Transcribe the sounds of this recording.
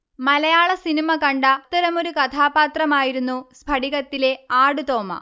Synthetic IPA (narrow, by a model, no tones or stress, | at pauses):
mɐlɐjaːɭɐsinimɐkɐɳɖaːt̪ːɐɾɐmo̞ɾukɐt̪ʰaːbaːt̪rɐmaːjiɾunːuspʰɐɽiɣɐt̪ːile̞aːɽut̪o̞ːmɐ̰